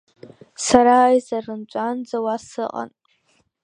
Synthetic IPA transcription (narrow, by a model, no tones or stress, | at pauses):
saɾajzarɨnt͡ʃʷʼand͡zawasɨqʼa̰n